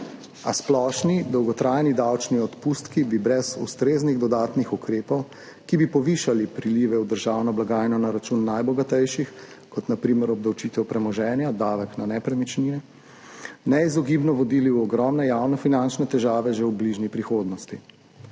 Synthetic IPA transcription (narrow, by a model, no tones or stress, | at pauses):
a̰splɔʃnid̪ɔwɡɔt̪ɾajnid̪awt͡ʃniɔt̪pust̪kibibɾɛzṵst̪ɾeːzniɣd̪ɔd̪aːt̪nixukɾeːpɔw | kibipɔʋiːʃalipɾiliːʋɛwd̪əɾʒaːwnɔblaɡaːjnɔnaɾat͡ʃunːajbɔɡat̪ɛjʃix | kɔt̪napɾiːməɾɔb̚d̪awt͡ʃiːt̪ɛwpɾɛmɔʒɛːnjad̪aːʋɛknanɛpɾɛmit͡ʃniːɛ | nɛizɔɡibnɔʋɔd̪iːliuɔɡɾɔmnɛjawnɔfinant͡ʃnɛt̪ɛʒaːʋɛʒɛwbliʒnipɾixoːd̪nɔst̪i